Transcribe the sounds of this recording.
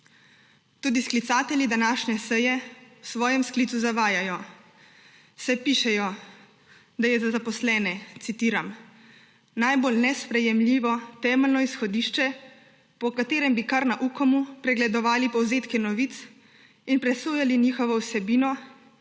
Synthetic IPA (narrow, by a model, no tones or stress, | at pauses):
t̪uːd̪isklit̪saːt̪ɛlʲid̪anaːʃnɛsɛjɛwsʋɔːjɛmskliːt̪uzaʋaːjajɔ | sɛpiʃɛjɔ | d̪ajɛzazapɔslɛːnɛt̪sit̪iːɾam | najbolnɛspɾɛjɛmlʲiːʋɔt̪ɛːmɛlnɔisxɔd̪iːʃt͡ʃɛ | pɔkat̪eːɾɛmbikaɾnaʔukɔmupɾɛɡlɛd̪ɔʋaːlipɔwzeːt̪kɛnɔʋiːt̪s | inpɾɛsuːjaliniːxɔʋɔwsɛbiːnɔ